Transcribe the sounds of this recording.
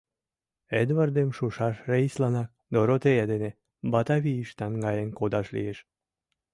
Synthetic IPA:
ed̪vard̪emʃuʃɑʃreislɑnɑk | d̪oɾot̪ejɑd̪ene | bɑt̪aβiiʃt̪ɑnɡɑjenkod̪ɑʃlḭeʃ

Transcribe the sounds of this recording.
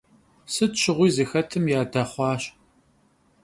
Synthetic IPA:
sɨtɕɪʁʷiːzɨxɐtʰɨmjaːdɐχʷɑːɕ

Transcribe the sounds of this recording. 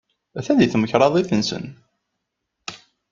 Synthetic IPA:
æθæðiθməçɾˤɑðˤiθənsə̰n

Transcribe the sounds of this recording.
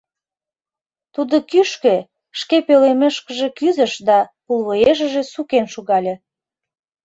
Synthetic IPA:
t̪ud̪okyʃke | ʃkepøleməʃkə̆ʒekyzə̆ʃd̪ɑpulβoeʒə̆ʒe̽sukenʃuɣɑlʲe

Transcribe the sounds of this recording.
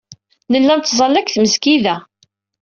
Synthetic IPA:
nəlːænt̪ːzˤɑlːækθməzkiðæ

